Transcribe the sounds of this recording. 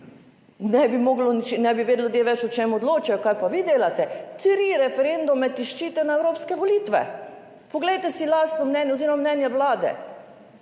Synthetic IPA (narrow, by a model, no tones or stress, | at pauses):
nɛbimoːɡlɔnit͡ʃenɛbiʋeːd̪lʲud̪jeʋɛt͡ʃʊt͡ʃemɔd̪loːt͡ʃajɔkajpaʋid̪eːlat̪ɛt̪ɾiɾɛfɛɾend̪umɛt̪iʃt͡ʃiːt̪ɛnaɛwɾoːpskɛʋoliːt̪ʋɛ̰ | poɡlɛjt̪ɛsilaːst̪nɔmnɛːnjɛoziːɾɔmamnɛnjɛʋlaːd̪ɛ̰